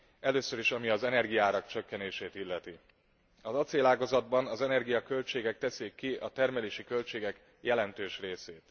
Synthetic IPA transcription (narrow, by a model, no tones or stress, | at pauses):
ɛløːsø̞ɾiʃɒmiɒzɛnɛrɡijaːɾɒkt͡ʃø̞kːɛneːʃeːt̪ilːɛt̪i | ɒzɒt̪seːlaːɡɒzɒd̪̚bɒnɒzɛnɛrɡijɒkø̞lt͡ʃeːɡɛk̚t̪ɛseːkːiʔɒt̪ɛrmɛleːʃikø̞lt͡ʃeːɡɛk | jɛlɛnt̪øːʃreːseːt̪